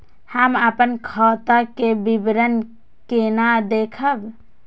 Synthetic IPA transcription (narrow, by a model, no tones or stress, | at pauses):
həməpənkʰət̪akebibɾən | kenad̪ekʰəb